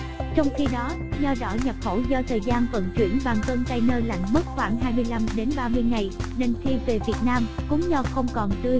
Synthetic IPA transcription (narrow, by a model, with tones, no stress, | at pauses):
t͡ɕɔ˧wŋ͡mxi˧ɗɔ˨˦ | zɔ˧ɗɔ˧˨˦ɲə˨˩p̚xo˧˩wzɔ˧t̪ʰəː˨˩jzaː˧nvə̰˧˨nt͡ɕwḭ˧˩ənɓaː˨˩ŋkə˧nt̪a˧jnəː˧jla̰˧˨jŋ̟mə˦˥t̚xwaː˧˩ŋɦaː˧jmɨ˧əjla˧mɗe˨˦nɓaː˧mɨ˧əjŋa˨˩jne˧nxi˧ve˨˩vi˨˩ət̚naː˧mkʊ˨˦ŋ͡mzɔ˧xə˧wŋ͡mkɔ˨˩nt̪ɨ˧əj